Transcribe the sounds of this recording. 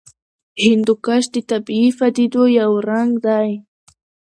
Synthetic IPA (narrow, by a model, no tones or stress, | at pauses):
hɪnd̪ʊkaʃt̪it̪apifad̪id̪ojawɾaŋɡd̪aj